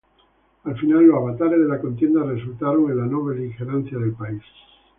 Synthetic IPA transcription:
alfinalːoaβat̪aɾezðelako̞nt̪je̞nd̪aresult̪aɾoŋenlanoβlelixeɾanθjaðe̞lpais

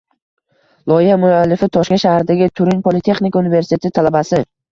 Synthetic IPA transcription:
lˠɒɪhamʊalːɪfɪt̪ʰɒʃkʲaʃahaɾɪd̪aɡʲɪt̪ʰʊɾɪnpʰolɪt̪ʰe̞χnɪkʰʲaunɪve̞ɾsɪ̥t̪ʰe̞t̪ʰɪt̪ʰalabasɪ

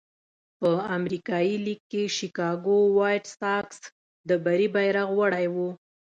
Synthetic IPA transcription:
pəamɾikɑjilikːeʃikɑɡowɑjʈstɑks | d̪əbaɾibajɾaɣwaɽajwu

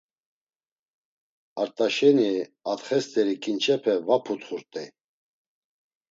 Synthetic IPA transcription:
aɾt̪ʼaʃɛniat̪χɛst̪ʼɛɾikʼint͡ʃʰɛpʰɛvapʰut̪χuɾt̪ʼɛ

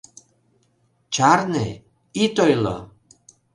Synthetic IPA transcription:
t͡ʃaɾnḛ | it̪ojlɔ̰

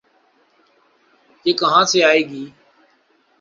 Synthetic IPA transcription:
d͡ʒeːkəɦãːseːaːeːɡiː

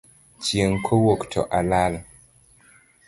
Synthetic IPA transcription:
t͡ʃjeŋkʰowoktʰɔ̰ʔalal

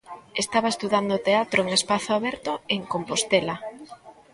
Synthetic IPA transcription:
est̪aβaest̪uðand̪ot̪eat̪ɾoeŋespaθoaβɛɾt̪oeŋkompost̪ela

